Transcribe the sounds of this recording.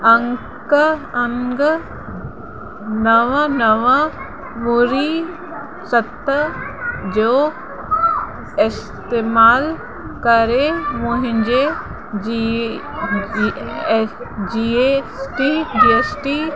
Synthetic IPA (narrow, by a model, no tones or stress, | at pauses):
ɐŋ | kəɐŋɡə | nɐʋanɐʋa | muɾi | sɐt̪ːə | d͡ʒoː | ɪs | t̪eːmaːl | kɐɾemoɦɪ̃ɲd͡ʒe | d͡ʒiesʈiɖiesʈi